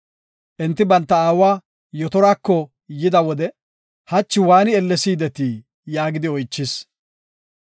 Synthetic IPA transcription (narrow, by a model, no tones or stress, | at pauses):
ʔɪnt̪ːɪbɐnt̪ːɐaːwaː | jɔt̪ɔɾaːkːɔ | jɪd̪ɐwɔd̪ɛ | hɐt͡ʃːɪwaːnɪɛlːɛsiːd̪ɛt̪iː | jaːɡɪd̪ɪɔjt͡ʃːɪs